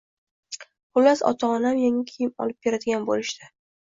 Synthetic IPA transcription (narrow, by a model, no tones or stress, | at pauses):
bʊlːasɒ̰t̪ʰaːnamjaŋakʲʰejɪmɒ̰lɪp̚be̞ɾad̪ɪɡʲanbolɪʃt̪ɪ̥